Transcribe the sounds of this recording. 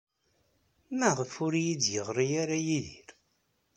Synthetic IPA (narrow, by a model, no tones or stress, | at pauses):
mæʁəfʊɾjid̪jəʁɾijaɾajiðiɾ